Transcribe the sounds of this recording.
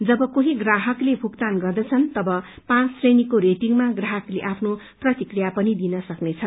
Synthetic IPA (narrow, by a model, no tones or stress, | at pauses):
d͡zʌbʌkoɦĩɡraɦʌklebʱukt̪anɡʌrd̪ʌt͡sʰʌnt̪ʌbʌ | pãt͡ssrenikoɾetiŋmaɡraɦʌkleʔapʰno | prʌt̪ikrijapʌnid̪inʌsʌknet͡sʰʌn